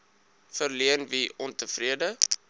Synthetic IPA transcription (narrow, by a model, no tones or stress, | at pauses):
fərliənviʔɔntəfriədə